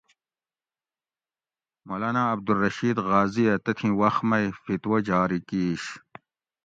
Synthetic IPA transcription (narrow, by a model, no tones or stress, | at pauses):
molaːnaɐb̚d̪ulːɐɕiːd̪ɣaːzijɐt̪ɐt̪ʰĩwɐxmɐjfit̪wɐd͡ʑaːɾikiːɕ